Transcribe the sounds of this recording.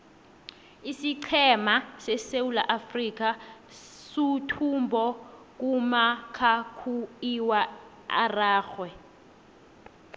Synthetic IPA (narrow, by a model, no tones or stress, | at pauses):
isiǀʰɛmasɛsewula̰ʔafrik̬a | sutʰumbʱɔ | k̬ʼumakʰakʰuiwa | a̰raːxwɛ